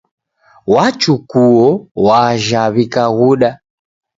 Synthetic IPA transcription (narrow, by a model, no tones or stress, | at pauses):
wat͡ʃukuɔwaʒaβikaɣuɗa